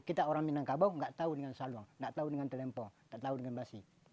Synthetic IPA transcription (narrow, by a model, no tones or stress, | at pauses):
kit̪aoɾaŋminaŋkabawŋɡaʔt̪audəŋansaluaŋŋɡaʔt̪audəŋant̪əlɛmpɔŋɡaʔt̪audəŋanbasi